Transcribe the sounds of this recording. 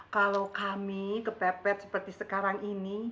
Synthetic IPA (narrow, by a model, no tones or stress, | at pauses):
kalokamikəbɛpɛt̪̚sə̥pərt̪isəkaɾaŋini